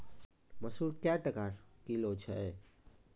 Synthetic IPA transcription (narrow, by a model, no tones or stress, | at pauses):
məsuɾkjaʈəkaɾkilot͡ʃʰəɛ